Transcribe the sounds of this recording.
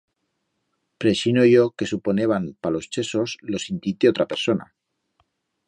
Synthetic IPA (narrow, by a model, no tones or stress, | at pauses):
pɾesinoʝo̞ke̞supo̞ne̞βanpalo̞st͡ʃe̞so̞slo̞sint̪it̪eot̪ɾape̞ɾso̞na̰